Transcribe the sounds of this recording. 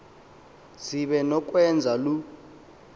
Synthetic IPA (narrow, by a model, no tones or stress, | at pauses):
siɓɛnɔk̬ʼwɛnd͡zʱalu